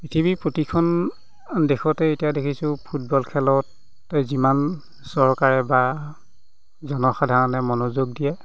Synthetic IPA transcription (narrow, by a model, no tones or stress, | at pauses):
pɹitʰibipɹotikʰɔn | dekʰɔtɛetijadekʰisʊ̃pʰut̚bɔlkʰɛlɔtː | ɔziman | sɔɹkaɹɛba | zɔnɔxadʱaɹɔnɛmɔnozoɡ̚dijɛ